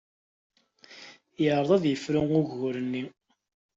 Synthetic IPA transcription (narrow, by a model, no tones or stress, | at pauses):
jəɾˤðˤæðjəfɾʊŋʊʝːʊɾənːi